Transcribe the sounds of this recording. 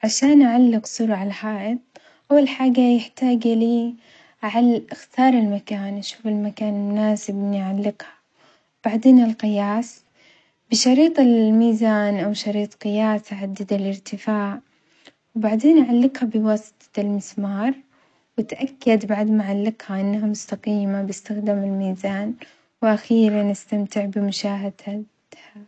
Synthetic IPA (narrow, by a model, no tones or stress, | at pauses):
ʕaʃaːnʔaʕalːɪqsˤuɾˤʕalħaːʔɪt̪̚ˤ | ʔawːalħaːɡajɪħt̪aːɡliː | aʕalʔɪxt̪ɑːɾˤɪlmakaːnʔaʃuːfɪlmakaːnmʊnaːsɪbɪnʕalːɪqha | wb̥aʕd̪eːnɪlqɪjaːs | bɪʃɑɾiːt̪ˤɪlmiːzaːnʔawʃɑɾiːt̪ˤqɨjaːsaʕad̪ːɪd̪alɪɾt̪ɪfaːʕ | wbaʕd̪eːnʔaʕalːɪqhabɪwɑːst̪ˤlmɪsmɑːɾˤ | wɪt̪ʔakːad̪baʕd̪maʕalːɪqhaʔɪnːaɦamʊst̪aqiːmabɪst̪axd̪ɪmɪlmiːzaːn | wʔaxiːɾanɪst̪amt̪ɪʕbɪmʊʃaːɦad̪ | ha